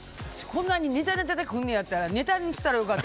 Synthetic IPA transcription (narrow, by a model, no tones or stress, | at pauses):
skʰõ̞nːaɲ̟ine̞t̪anet̪at̪akɦõnːẽjat̪ːaɾane̞t̪aɲʲisɨ̥t̪ːaɾajo̞kat̪ː